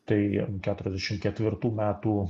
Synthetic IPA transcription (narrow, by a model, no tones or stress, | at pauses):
t̪ɐɪkʲæːt̪ʊɾʲɛzd̪ʲæːʃʲɪmkʲɛt̪ʲʋʲɪɾt̪uːmʲæːt̪uː